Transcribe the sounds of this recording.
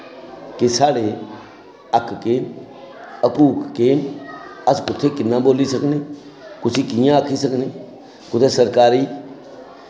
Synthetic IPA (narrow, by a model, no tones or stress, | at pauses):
kɪsaːɽeː | əkʰːkeːn | əkuːkːeːnəskʊt̪ʰːeːkɪnːãːboːliːsəkniː | kʊsʰiːkiːjãəkʰiːs̬əkniː | kʊt̪ʰːeːsəɾkaːɾiː